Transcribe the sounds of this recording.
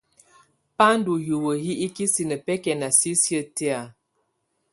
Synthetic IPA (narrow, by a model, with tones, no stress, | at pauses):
pa˦n˦du˨ju˨wə˨ɦi˦i˦ki˦si˨nə˨pɛ˦kɛ˨na˨si˦sjə˦tɛ˦a˨